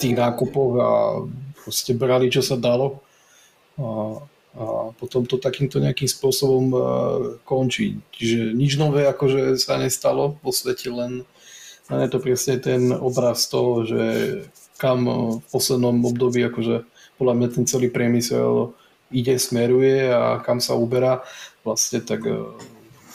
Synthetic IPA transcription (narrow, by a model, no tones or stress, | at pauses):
t̪iːɣnaːkupɔɣa̰pɾɔscɛbɾalit͡ʃɔsad̪alɔ | a | apɔt̪ɔmt̪ɔt̪akiːmt̪ɔɲɛakiːmspʊɔsɔbɔm | kɔnt͡ʃḭːt͡ʃiʒɛɲid͡ʒnɔʋɛːakɔʒɛsaɲɛst̪alɔʋɔsʋɛcʰɛlɛn | lɛ̰njɛt̪ɔpɾɛsɲɛt̪ɛnɔbɾast̪ɔɦɔʒɛ̰ | kamfpɔslɛd̪nɔmɔbd̪ɔbiːakɔʒɛ | pɔd̪lamɲat̪ɛnt͡sɛliːpɾɪɛmisɛ̰l | iɟɛsmɛɾujɛa̰kamsa̰ubɛɾaːʋlasɲɛt̪ak